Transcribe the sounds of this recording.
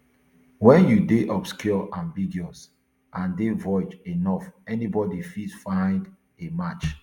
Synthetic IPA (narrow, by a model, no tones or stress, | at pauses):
wɛ̃njudeʔɔpskɔlãnvidiɔs | ʔãndevɔɪd͡ʒenɔfɛnibɔdifidfãɪ̃nd | emat͡ʃ